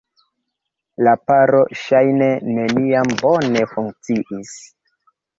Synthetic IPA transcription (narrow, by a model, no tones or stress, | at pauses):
lapaɾo̞ʃajne̞ne̞niambo̞ne̞fuŋk̚t͡siʔis